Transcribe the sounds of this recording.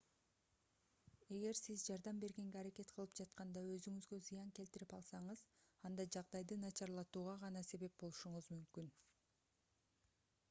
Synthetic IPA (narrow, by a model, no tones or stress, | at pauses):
e̞ɡe̞ɾsizd͡ʒɑɾd̪ɑmbe̞ɾɡe̞ŋɡeɑɾake̞t̪qʰəlˠɯp̚d͡ʒɑt̪qɑnd̪ɑø̞zyŋyzɡø̞zɯjɑŋke̞lt̪iɾipɑlˠsɑɴɯzɑnd̪ɑd͡ʒɑʁd̪ɑjd̪ɯnɑt͡ʃɑɾlˠɑt̪uːʁɑʁɑnɑse̞βe̞p̚bo̞lˠuʃuɴʊzmymkyn